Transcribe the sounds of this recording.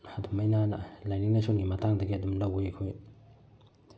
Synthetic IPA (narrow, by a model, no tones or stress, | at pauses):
ɐdumɐjnanɐlajniŋnɐsʰonɡimɐtaŋdɐɡiɐdumlɐwojkʰoj